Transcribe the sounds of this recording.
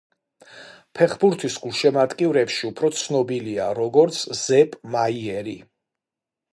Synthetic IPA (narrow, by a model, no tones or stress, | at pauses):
pʰɛχbuɾt̪ʰisɡʼulˠʃɛmat̪ʼkʼivɾɛpʃiupʰɾɔt̪sʰnɔbilia̰ɾɔɡɔɾt̪sʰz̥ɛpʼmaiɛɾi